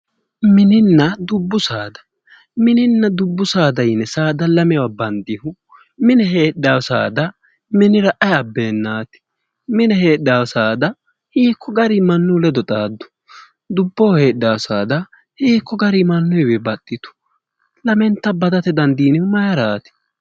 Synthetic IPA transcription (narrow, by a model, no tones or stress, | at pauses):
mɪnɪnːɐd̪ʊbːʊsaːd̪ɐ̥ | mɪnɪnːɐd̪ʊbːʊsaːd̪ɐjnɛsaːd̪ɐlɐmɛwabɐnd̪ɪhʊ | mɪnɛɦeːɗːaːwsa̰ːd̪ɐ | mɪnɪɾɐʔɐjɐbːeːnːaːt̪ɪ̥ | mɪnɛɦe̞ːɗːaːwsaːd̪ɐ | hiːkːɔɡɐɾimɐnːʊlɛd̪ɔt̪ʼaːd̪ːʊ̥ | d̪ʊbːoːhe̞ːɗaːwsaːd̪ɐ | hiːkːɔɡɐɾimɐnːʊjwɛbɐt̪ʼːɪt̪ʊ̥ | lɐmɛnt̪ːɐbɐd̪ɐt̪ɛd̪ɐnd̪iːnɪʊmɐjɐɾaːt̪ɪ̥